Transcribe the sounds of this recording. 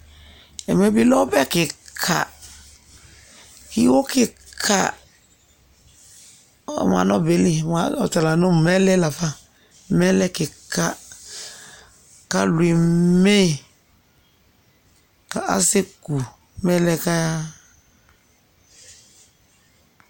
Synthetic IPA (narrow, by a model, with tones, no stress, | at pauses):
ɛ˨me˦bi˦lɔ˦bɛ˦kɪ˨kʰa̰˨ | hi˦wo˦kɪ˦ | kʰa̰˦˨ | ma̰˨nɔ˦be˨˦li˦ma˨ɔ˨ta˨la˨no˦˨mɛ˦lɛ˦la˨fa˦ | mɛ˦lɛ˦kɪ˨ka˦ | ka˦lu˨i˨me˦ | ka˨ʔa̰˦se˦ku˨ | mɛ˦lɛ˦ka˦ja˦